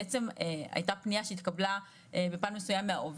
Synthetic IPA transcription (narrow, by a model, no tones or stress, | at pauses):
et͡se̞mea̰jt̪apnijaʃeit̪kabla | ebe̞paːnmesujamːea̰ʔov